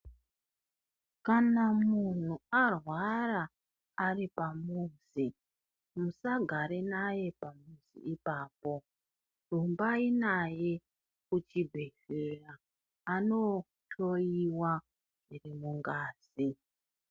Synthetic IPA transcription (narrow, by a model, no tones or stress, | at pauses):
kanamun̤uarwaraː | ripamuːsi | musaɡʱaɾenaje̞pamusḭipaːpo̞ | rumbainaje̞ | kut͡ʃibʱeɬeraː | no | tʰo̞iwa | nʐirimuŋɡaːz̥i